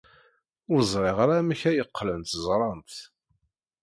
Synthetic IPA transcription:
ʊɾzˤɾˤeʁaɾæməçæjəqːlənt̪zˤɾˤɑnt̪

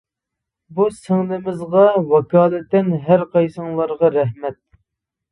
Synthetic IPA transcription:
busɪŋnɪmɪzʁɑwɑkʰɑːlˠɨt̪ːɪnɦæɾqɑjsɨŋlˠɑɾʁɑɾɛɦmɛt̪̚

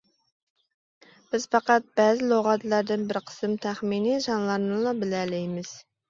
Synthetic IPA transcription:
b̥ɪz̥pɑqɑt̪̚b̥ɛːzɪlˠoʁɑt̪lˠæɾd̪ɪnbɪɾqʰə̥sɨmt̪ʰæχminiʒɑnlˠɑɾnɨlˠɑbɪlælɪjmɪz̥

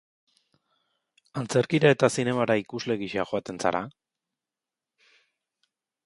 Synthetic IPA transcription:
ant͡se̞ɾkiɾae̞t̪asine̞maɾaikuzle̞ɣiʃeaxoat̪e̞nsa̰ɾa

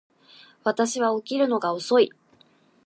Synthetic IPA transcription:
βat̪aɕiβaokʲiɾɯ̟no̞ɡaoso̞i

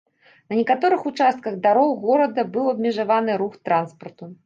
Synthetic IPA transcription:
nɐnʲɛkat̪ɔɾɨxut͡ʂast̪̚kɐɣd̪aɾɔwɣɔɾɐd̪ɐbɨwɐb̚mʲɛʐavanɨɾuxt̪ɾanspɐrt̪u

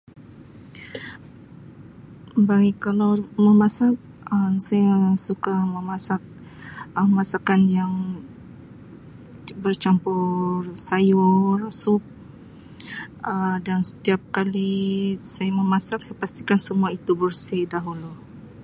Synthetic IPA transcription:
baɡikalawməmasak̚ | əsajasukaməmasak̚ | əmasakanjaŋ | bərt͡ʃampʊrsajursʊp̚ | ədansə̥t̪iap̚kalisajaməmasak̚sajapast̪ikansəmuait̪ubərsidaɦulu

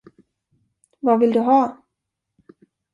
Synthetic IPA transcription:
vavɪld̪ɵɦɑː

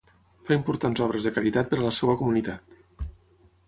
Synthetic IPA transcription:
faimpuɾt̪anzɔβɾəzðəkaɾit̪at̪̚pəɾələsɛwəkumunit̪at̪

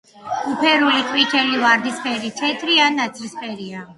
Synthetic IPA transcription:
upʰɛɾuliqʼwit̪ʰɛlivaɾd̪ispʰʼɛɾit̪ʰɛt̪ʰɾianːat̪sʰɾispʼɛɾia

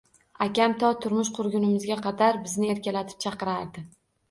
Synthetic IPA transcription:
akʲamt̪ʰɒt̪ʰʊɾmʊʃqʰʊɾɡʲʊnɪmɪzɡʲaqʰɑd̪aɾbɪznɪe̞ɾkʲalat̪ʰɪ̥p̚t͡ʃʰɑqɨɾaɾd̪ɪ

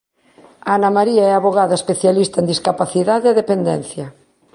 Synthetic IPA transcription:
anamaɾiaɛaβoɣaðɐespeθjalist̪ɐend̪iskapaθiðaðeaðepend̪ɛn̟θjɐ

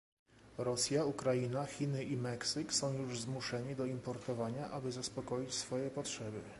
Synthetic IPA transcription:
ɾɔsʲjaukɾajinaxʲinɘʔimɛksɘksɔ̃w̃juʐzmuʂɛɲid̪ɔimpɔɾt̪ɔvaɲaʔabɘzaspɔkɔjit͡ɕsfɔjɛpɔtʂɛbɘ̰

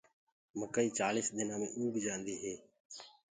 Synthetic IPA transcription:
məkəiːt͡ʃaːliːsd̪ɪnãːmḛ̃ːʔuːbʱɪd͡ʒãːnd̪iːɦeː

